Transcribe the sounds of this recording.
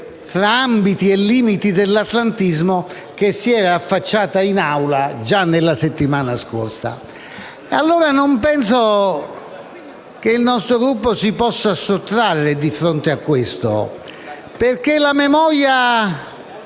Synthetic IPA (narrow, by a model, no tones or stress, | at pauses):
fɾaambit̪iɛlːiːmit̪id̪elːat̪lant̪izmo | k̟esːiɛːɾaːfːat͡ʃːaːt̪ainawlad͡ʒanːelːaset̪ːimaːnaskoɾsa̰ | ealːoːɾanompɛns̬o | k̟eilnɔst̪ɾoɡɾupːosipɔsːasot̪ːɾarːed̪ifɾont̪eakːwest̪o̰ | peɾkelamɛmɔɾja